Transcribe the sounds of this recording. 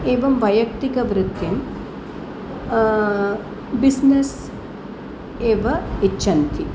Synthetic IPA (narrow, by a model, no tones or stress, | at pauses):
eːʋɐmʋɐjɐk̚t̪ikɐʋɾɪt̪jɐm | bisnes | eːʋɐit͡ʃːʃʰɐnt̪ʰi